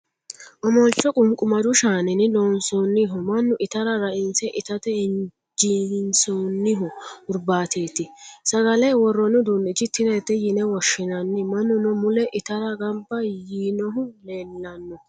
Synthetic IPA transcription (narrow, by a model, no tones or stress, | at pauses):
ʔɔmɔlt͡ʃːɔkʼʊmkʼːʊmɐd͡ʒ̪ʊʃaːnɪnɪloːnsoːnːɪɦɔmɐnːʊʔɪt̪ɐɾɐɾɐʔɪnsɛʔɪt̪ɐt̪ɛɪn | d͡ʒinsoːnːɪɦɔʊɾbaːt̪ʰe̞ːt̪ɪsɐɡɐlɛjwɔrːɔnʊd̪uːnɪt͡ʃɪt̪ːɪd̪ɛːt̪ːɛjɪnɛwɔʃːɪnɐnːɪmɐnːʊnɔmʊlɛʔɪt̪ɐɾɐɡɐmbːɐjiːnɔɦʊleːlːɐnːɔ